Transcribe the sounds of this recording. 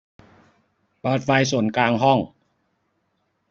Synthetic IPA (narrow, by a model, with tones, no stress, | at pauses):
baː˨˩t̪̚fa˧jsu˨˩˦nkaː˧ŋɦɔ˥˩ŋ